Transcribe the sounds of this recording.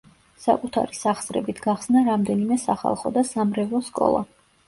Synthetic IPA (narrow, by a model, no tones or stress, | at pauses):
sa̰kʼut̪ʰa̰ɾisaχsɾɛbit̪ʰɡaχsnaɾamd̪ɛnimɛsaχa̰lˠχɔd̪asamɾɛvɔskʼɔ̰lˠa̰